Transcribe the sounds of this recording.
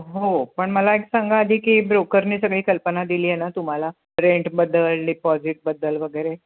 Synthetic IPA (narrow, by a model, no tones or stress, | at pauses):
ɦopəɳməlaeksãŋɡʱaəd̪ʱiːkiːbɾokəɾniːsəɡɭiːkəlpənad̪iliːjenat̪um̤ala | ɾeɳʈbəd̪ːəlɖipɔd͡ziʈ̚bəd̪ːəlʋəɡəjɾe